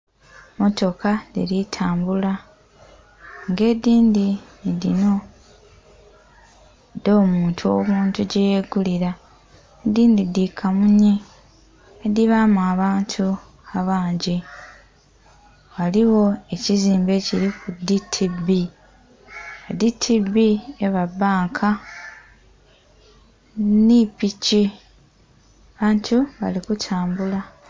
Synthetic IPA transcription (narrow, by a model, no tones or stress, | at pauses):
mo̞to̞kadḭɾitʰaːmbula | ŋɡe̞ːdiːndinidino̞ | do̞ːmuːntʰuomuːntuɟejeɡuliɾa | ediːndidikʰamuɲiː | diβamuaβaːntʰu | aβaːɲɟi | waliwo̞e̞ciziːmbe̞ciɾikuditʰibi | aditʰibieβabaːŋkʰa | nipici | aβaːntuβa̰likutʰaːmbula